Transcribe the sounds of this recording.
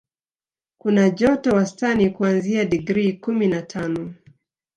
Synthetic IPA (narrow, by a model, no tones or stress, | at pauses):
kunaʄɔtɔwastanikuanziadiɡɾikuminatʰanɔ